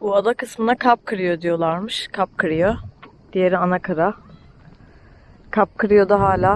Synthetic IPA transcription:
buad̪akɯsmɯnakʰap̚kʰɯɾijo̞d̪ijo̞lˠaɾmɯʃkʰap̚kʰɯɾijo | d̪̥ijeɾianakʰaɾa | kʰap̚kɯɾijo̞d̪aɦaːlʲaː

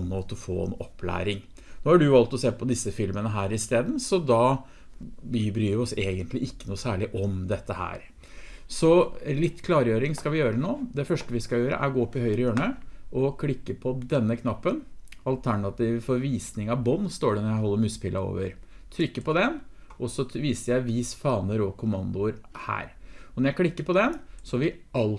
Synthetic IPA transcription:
nːɔt̪ɔfo̰ːɛ̰nɔpːlæ̰ːɾɪŋ | noːhɑɖʉʋɑlt̪ɔseːpʰɔd̪ɪsːəfɪlmənəɦæːɾɪst̪eːd̪n̩sɔd̪ɑ | bbɾyːɾʋɪɔseːɡənt̪lɪʔɪkːənuːsæːɭɪʔɔmd̪ɛt̪ːəhæ̰ːɾ | sɔlɪt̪ːkʰlɑːɾjøːɾɪŋskɑʋɪjøːɾənoːd̪ɛfœʂʈəʋɪskɑjøːɾə̰ʔæɾɡoːɔpːɪhœʏɾəjøːɳəʔɔkʰlɪkːəpʰɔd̪ɛnːəkʰnɑpːənɑlt̪ʰæɳɑt̪ʰiːʋfɔɾʋiːsnɪŋɑʋbɔnːst̪oːɖɛnɔɾjæɪɦɔlːəɾmʉspʰɪlʔɑo̰ːʋəɾt̪ʰɾʏkːəpɔd̪ɛn | ʔɔsːɔʋiːsəɾjæɪʋiːsfɑːnəɾɔkʰʊmɑnd̪ʊɾhæ̰ːɾɔnɔɾjæɪkʰlɪkːəɾpʰɔd̪ɛnsɔɑʋɪɑl

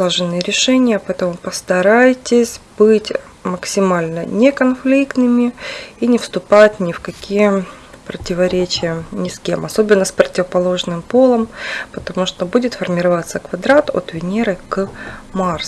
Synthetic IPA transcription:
aʐɨnːɨjəɾʲɪʂɛnʲɪjəpɐɛt̪əmʊpəst̪ɐɾajtʲɪsʲbɨtʲ | məksʲɪmalʲnənʲekɐnflʲikt̪nɨmʲɪinʲɪfst̪ʊpatʲnʲɪfkɐkʲʰijə | pɾətʲɪvɐɾʲet͡ɕɪjənʲɪskʲemɐso̞bʲɪnːəspɾətʲɪvəpɐlˠoʐnɨmpo̞lˠəmpət̪ɐmuʂt̪obudʲɪt̪fərmʲɪɾɐvat̪səkvɐd̪ɾat̪o̰t̪vʲɪnʲeɾɨkmars

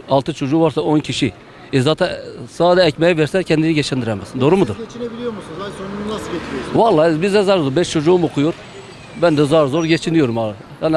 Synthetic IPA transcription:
ɑlˠt̪ɯt͡ʃʰod͡ʒuːvaɾsao̞ncʰiʃi | ezat̪ʰasaːd̪ɛɛcmɛjɛvɛɾsɛcʰɛnd̪iniɟɛt͡ʃʰɛnd̪iɾɛmɛsnd̪oɾumud̪uɾet͡ʃiebilijoɾmusunonuaset͡ʃʰʲɾijovalˠːaːbizd̪ɛzaɾd̪uɾbɛʃt͡ʃʰo̞d͡ʒuːumokʰujoɾ | bænd̪ɛzaɾzoɾɟet͡ʃʰinijoɾuma | han

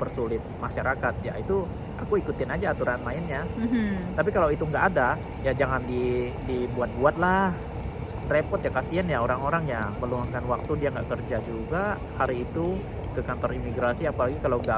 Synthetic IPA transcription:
bərsulɪt̪̚maʃaɾakat̪̚jait̪u | akuikut̪ɪnad͡ʒaːt̪uɾaanmaɪnjaɦ̩t̪ap̬ikalawit̪uŋɡaʔada | jad͡ʒaŋandidibuat̪̚buat̪̚lah | repɔt̪jakasianjaoɾaŋoɾaŋjaməluaŋkanwak̚t̪udiaŋɡa̰ʔkərd͡ʒad͡ʒuɡa | haɾiːt̪u | kəkant̪ɔrimiɡɾasiapalaɡikalawŋɡa

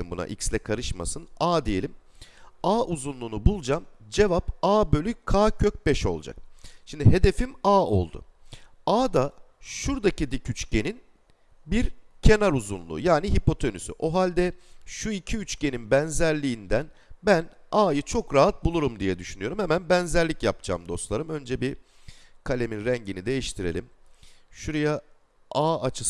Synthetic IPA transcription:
imbuna̰ʔicslʲɛkʰaɾɯʃma̰sɯnaːd̪ije̞lʲim | aːʔuzunlˠuːnubulˠd͡ʒamd͡ʒe̞vapaːbø̞lʲykʰaːcʰøc̚bɛʃo̞̰lˠd͡ʒa̰k̚ʃimd̪iɦe̞d̪e̞fimaːo̞̰lˠd̪ṵ | aːd̪aʃuɾd̪acid̪icʰyt͡ʃce̞nin | biɾcʰe̞naɾuzṵnlˠṵːjaːniɦipʰo̞t̪ʰenysy̰ʔo̞ɦalʲd̪ɛʃuicʰiyt͡ʃce̞ninbænzæɾlʲiːnd̪ænbænaːjɯt͡ʃʰo̞kɾaɦat̪̚bulˠuɾumd̪ijɛd̪yʃynyjo̞ɾumhɛmænbænzæɾlʲicjap̚d͡ʒa̰ːmd̪o̞slˠaɾɯmø̞nd͡ʒɛbi | kʰalʲe̞minɾæɲɟinid̪e̞jiʃt̪ʰiɾe̞lʲimʃuɾaja | aːat͡ʃʰɯs

